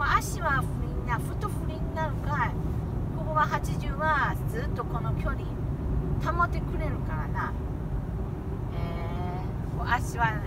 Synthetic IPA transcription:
oaɕiβaɸɯ̟ɾʲinnaɸɯ̟t̪oɸɯɾʲiɲinaɾɯ̟kaɾahoboβaɦat͡ɕiʑɨːβad͡zɨːt̪ːo̞ko̞no̞kʲo̞ɲit̪amot̪ːe̞kɯ̟ɾe̞ɾɯ̟kaɾana | e | soʔaɕiβa

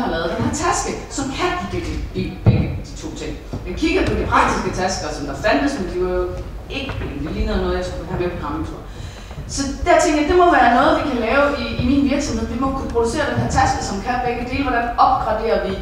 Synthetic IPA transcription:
hɑ̈lɛːðˠd̥enhæɐt͡sʰæsɡ̥əsɒ̽mkʰæniɡ̥iɡ̥d̥ib̥eɡ̥əd̥i̥t͡sʰo̝̰ːt͡sʰe̝ŋ̰ | mekʰiɡ̥ɐpʰɒ̽d̥ipʰʁɑ̈ɡ̥̚d̥isɡ̥ət͡sʰæsɡ̥ɐsɒ̽md̥ɑ̈fænd̥əsmend̥iʋɑ̈jo̝ | e̝ɡ̥əped̥eliːnɐð̩ˠnɔːðˠjsku̥kukʰumepʰokʰʁɑ̈ment͡sʰṵɐ̰ | sɒ̽d̥æɐt͡sʰeŋɡ̥jɑd̥e̝mɒ̽ʋæːɐnɔ̽ːð̞̩ˠʋikʰælɛːʊiːminʋiɐɡ̥sɒ̽mheð̰ˠʋimɒkʰupʰʁo̝d̥use̝̰ːɐd̥enɦæɐ̰t͡sʰæsɡ̥əsɒ̽mkʰæb̥eɡ̥əd̥e̝̰ːlʋɒɾ̥ænɒ̽b̥̚ɡ̥ʁɑ̈d̥e̝̰ːɐʋi

